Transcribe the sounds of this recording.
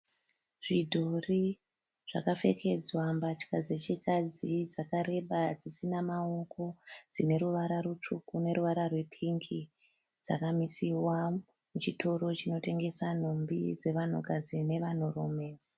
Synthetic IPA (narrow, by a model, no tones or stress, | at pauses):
ʐidʱo̞ri | ʐ̥a̰kafe̞kʰe̞d͡zwambat͡ʃkad͡ze̞t͡ʃikad͡zid͡zakaɾe̞ɓad͡zisinamaoko̞d͡zine̞ɾuʋaɾarut͡ʂukune̞ɾuʋaɾarwe̞pʰiŋki | d͡za̰kamisiwa | mut͡ʃitʰo̞ɾo̞t͡ʃino̞te̞ŋɡe̞san̤ombid͡ze̞ʋan̤ukad͡zine̞ʋan̤oɾoːme